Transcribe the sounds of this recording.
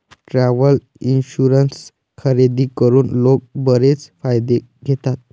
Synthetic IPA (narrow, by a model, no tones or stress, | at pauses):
ʈɾaʋəl | inɕuɾəns | kʰəɾed̪iːkəɾuːnlok̚bəɾet͡sfajd̪e | ɡʱet̪at̪̚